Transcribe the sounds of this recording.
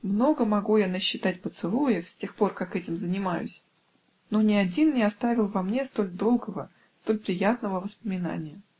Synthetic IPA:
mno̞ɡəmɐɡujanəɕːɪt̪at̚ʲpət̪sɨlˠujɪfsʲtʲe̞xpo̞rkakɛtʲɪmzənʲɪmajʊ̰sʲ | no̞nʲɪɐdʲinnʲɪɐst̪avʲɪlˠvɐmnʲe̞st̪o̞lʲd̪o̞lˠɡəvə | st̪o̞lʲpɾʲɪjat̪nəvəvəspəmʲɪna̰nʲɪjə

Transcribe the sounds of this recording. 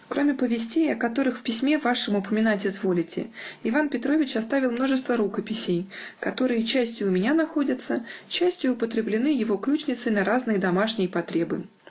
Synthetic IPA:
kɾo̞mʲɪpəvʲɪsʲtʲejɐkɐt̪o̞ɾɨxfpʲɪsʲmʲe̞vaʂɨmʊpəmʲɪnatʲɪzvo̞lʲɪtʲɪ̰ɪvanpʲɪt̪ɾo̞vʲɪt͡ɕɐst̪avʲɪlˠmno̞ʐɨst̪vəɾukəpʲɪsʲejkɐt̪o̞ɾɨjət͡ɕæsʲtʲjʊːmʲɪnʲanɐxo̞dʲət̪sət͡ɕæsʲtʲjʊʊpət̪ɾʲɪblʲɪnɨjɪvo̞klʲut͡ɕnʲɪt̪səjnɐɾaznɨjəd̪ɐmaʂnʲɪjəpɐt̪ɾʲe̞bɨ̰

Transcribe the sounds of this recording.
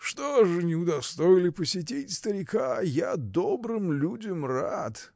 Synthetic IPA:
ʂt̪oʐɨnʲɪʊd̪ɐst̪ojɪlʲɪpəsʲɪt̬ʲitʲst̪əɾʲɪkaja̰d̪obɾɨmlʲudʲəmrat̪

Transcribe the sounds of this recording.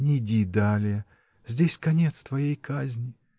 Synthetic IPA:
nʲɪɪdʲid̪alʲɪjə | z̥ʲdʲesʲkɐnʲet̪st̪vɐjejkazʲnʲɪ

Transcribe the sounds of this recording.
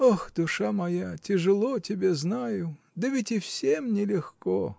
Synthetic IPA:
oxd̪ʊʂamɐjatʲɪʐɨlˠotʲɪbʲeznajʊ | d̪əvʲɪtʲɪfsʲemnʲɪlʲɪxko

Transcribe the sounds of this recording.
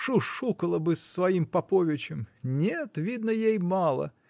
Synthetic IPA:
ʂuʂukəlˠəbɨsːvɐimpɐpovʲɪt͡ɕɪmnʲet̪vʲid̪nəjejmɑlˠə̰

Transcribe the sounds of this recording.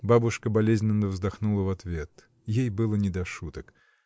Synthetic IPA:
babuʂkəbalʲezʲnʲɪnːəvzd̪axnulˠɐvat̪vʲet̪ | jejbɨlˠənʲɛd̪aʂut̪ək

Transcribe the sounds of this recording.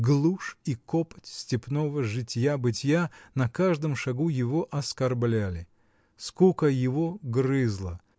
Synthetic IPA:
ɡlˠuʂikopə̥tʲsʲtʲɪpnovəʐɨtʲjabɨtʲjanɐkaʐd̪ɨmʂɐɡujɪvoʔɐskɐrblʲælʲɪ | skukəjɪvoɡrɨzlˠə

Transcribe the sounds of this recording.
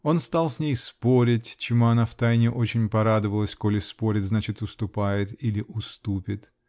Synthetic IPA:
o̞nst̪alˠsʲnʲejspo̞ɾʲɪtʲt͡ɕɪmuɐnaft̪ajnʲɪʔo̞t͡ɕɪnʲpɐɾad̪əvəlˠəsʲkolʲɪspo̞ɾʲɪt̪ʲznat͡ɕɪt̪ʊst̪ʊpajɪt̪ilʲɪʔʊst̪upʲɪt̪

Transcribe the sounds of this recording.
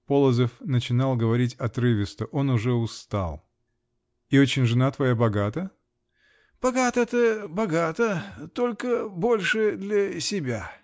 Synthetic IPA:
po̞lˠəzəfnət͡ɕɪnalˠɡəvɐɾʲitʲɐt̪ɾɨvʲɪst̪əʔo̞nʊʐɛʊst̪a̰lˠ | ɪo̞t͡ɕɪnʲʐɨnat̪vɐjabɐɡat̪ə | b̥ɐɡat̪əɛt̪əbɐɡat̪ət̪olʲkəbo̞lʲʂɨd̪lʲɐsʲɪbʲa

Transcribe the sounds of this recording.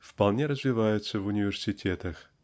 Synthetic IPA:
fpɐlˠnʲeɾəzvʲɪvajʊt̪səvʊnʲɪvʲɪrsʲɪtʲʰet̪əx

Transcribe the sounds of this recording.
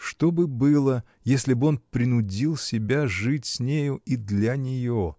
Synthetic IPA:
ʂt̪obɨbɨlˠə | jesʲlʲɪbɨo̞npɾʲɪnʊdʲilˠsʲɪbʲaʐɨtʲsʲnʲejʊid̪lʲanʲɪjo

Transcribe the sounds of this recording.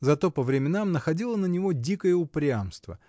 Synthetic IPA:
zɐt̪o̞pəvɾʲɪmʲɪnamnəxɐdʲilˠənənʲɪvo̞dʲikəjəʊpɾʲamst̪və̰

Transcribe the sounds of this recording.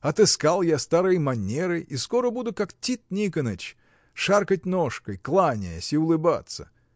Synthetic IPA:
ɐt̪ɨskalˠjast̪aɾɨjəmɐnʲeɾɨʔiskoɾəbud̪ʊkaktʲit̪̚nʲikənət͡ɕ | ʂarkət̚ʲnoʂkəjklˠanʲɪjəsʲɪʊlˠɨba̰t̪sə̰

